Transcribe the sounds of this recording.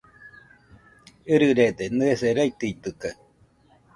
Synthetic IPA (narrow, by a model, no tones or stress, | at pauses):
ɯɾɯɾed̪enɨeseɾait̪ɯit̪ɯka